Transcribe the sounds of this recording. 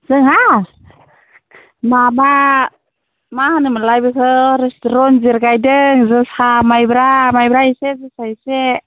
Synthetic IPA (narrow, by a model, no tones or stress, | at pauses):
z̥ɯŋɦa | maba | mahanɯmalajbɯkʰɯɾestɾɔnziɾɡajdɯŋzɯsamajbɾamajbɾahisezɯsahise